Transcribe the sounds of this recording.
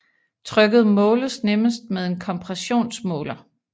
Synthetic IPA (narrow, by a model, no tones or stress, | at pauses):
t͡sʰʁœɡ̥əð̩ˠmɔ̽ːləsneməsd̥̚með̞ˠe̝nkʰɒ̽mpʰʁɛso̝̰ːnsmɔ̰̽ːlɐ